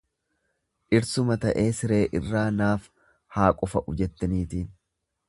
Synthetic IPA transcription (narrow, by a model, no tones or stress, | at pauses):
ʔɪɾsʊmɐt̪ɐʔeːsɪɾe̞ːʔɪrːaːnaːf | haːkʼʊfɐʔʊd͡ʒɛt̪ːɐniːt̪iːn